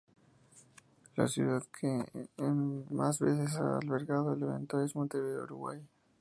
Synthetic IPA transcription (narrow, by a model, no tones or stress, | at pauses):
la̰sjuðaðkʰe | mazβe̞θes̬aalβe̞ɾɣaðoeleβḛnt̪oɾezmũt̪eβeðeṵɾuɣwa̰j